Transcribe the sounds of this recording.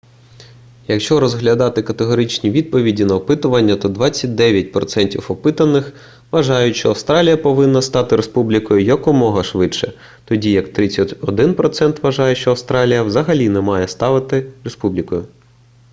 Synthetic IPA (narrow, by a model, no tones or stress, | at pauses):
jɐkʃt͡ʃɔɾɔzɦlʲɐd̪ɑt̪ɪkɐt̪eɦɔɾɪt͡ʃnʲiʋʲid̪̚pɔʋʲidʲinɐɔpɪt̪ʊʋɐnʲːɐt̪ɔd̪ʋɑt͡sʲːɐt̚ʲd̪ɛʋʲjɐt̚ʲpɾɔt̪sɛnʲtʲifɔpɪt̪ɐnːɪx | ʋɐʒɑjʊtʲʃt͡ʃɔɐwst̪ɾɑlʲijɐpɔʋɪnːɐst̪ɑt̪ɪɾespublʲikɔjʊjɐkɔmɔɦɐʃʋɪt͡ʃɛ | t̪ɔdʲijɐkt̪ɾɪt͡sʲːɐtʲɔd̪ɪnpɾɔt̪sɛnt̪ʋɐʒɑjɛʃt͡ʃɔɐwst̪ɾɑlʲijɐwzɐɦɐlʲinɛmɑjɛst̪ɑʋɪt̪ɪre̞spublʲikɔjʊ